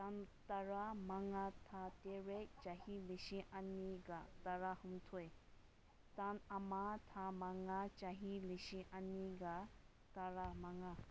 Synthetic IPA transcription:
t̪ant̪ɐɾamaŋat̪ʰat̪eɾet͡ʃaɦiliʃĩʔanːiɡat̪ɐɾahumt̪ʰue | t̪anɐmat̪ʰamaŋat͡ʃaɦiliʃĩʔanːiɡa | t̪ɐɾamaŋa

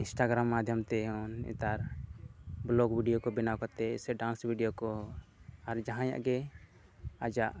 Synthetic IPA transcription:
insʈaɡɾamːad̪ʱjɔmt̪ɛɔnɛ̰t̪aɾ | blɔɡbiɖijokɔbinawkɔt̪ɛsɛɖãnsbʱiɖijokɔ | aɾd͡ʒaɦãja̰ʔɡɛ | ad͡ʒaʔ

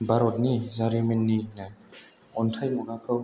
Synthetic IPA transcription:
baɾɔt̚nizaɾimenːina | ɔntʰajmuɾakʰɯw

